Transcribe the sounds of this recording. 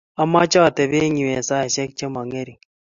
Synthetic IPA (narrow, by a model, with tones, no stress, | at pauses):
a˦ma˦t͡ʃa˦a˨te˨βe˦ɲi˨we˨sa˦˨ʃe˦kt͡ʃe˦ma˨ŋe˦ɾi˨